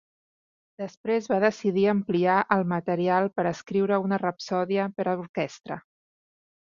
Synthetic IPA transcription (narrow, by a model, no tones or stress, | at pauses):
d̪əspɾezβaðəsiðiəmpliaʔəlˠmət̪əɾialˠpəɾəskɾiwɾəunərəpsɔðiəpəɾəluɾkɛst̪ɾə̰